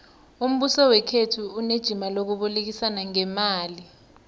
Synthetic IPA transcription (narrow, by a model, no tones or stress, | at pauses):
um̩ɓusɔwɛkʰetʰuːned̥ʒ̥ʱimalok̬uɓulek̬isanaŋɛmaːli